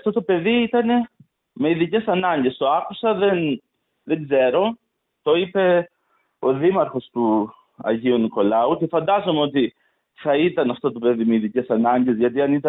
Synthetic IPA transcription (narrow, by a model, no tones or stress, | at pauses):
t̪o̞t̪o̞pe̞ðiit̪ɐne̞ | meiðice̞sɐnɐɲɟe̞st̪o̞ɐkusɐðe̞n | ðe̞ŋɡze̞ɾo̞ | t̪o̞ipe̞ | o̞ðimɐɾxo̞st̪u | ɐ̰ʝiuniko̞lɐuce̞fɐnd̪ɐzo̞meo̞t̪i | θɐit̪ɐnɐft̪o̞t̪o̞pe̞ðimeiðice̞sɐnɐɲɟe̞zʝɐt̪̬iɐnit̪ɐ